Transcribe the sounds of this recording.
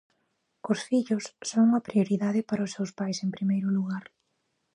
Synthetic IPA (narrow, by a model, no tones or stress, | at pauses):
ʊsfiʎʊsːoŋɐpɾioɾiðaðɪpaɾɐʊsːewspajseŋpɾimejɾʊluɣaɾ